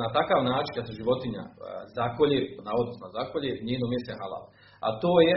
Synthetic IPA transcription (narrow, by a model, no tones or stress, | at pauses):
nat̪akaːʋnaːt͡ʃinkad̪seʒiʋo̞t̪iɲa̰zakoʎʲenaod̪nosnozakoʎʲeɲeːnomjeseɦala̰l | a̰t̪oːje